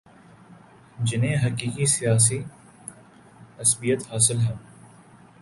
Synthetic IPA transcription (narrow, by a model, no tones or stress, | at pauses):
d͡ʒɪnẽɦɐkiːkisijaːs̬i | ɐsbijət̪haːsɪlɦɛ̃